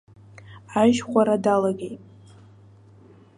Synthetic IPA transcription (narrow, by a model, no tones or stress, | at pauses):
aʒχʷaɾadalaɡʲejtʼ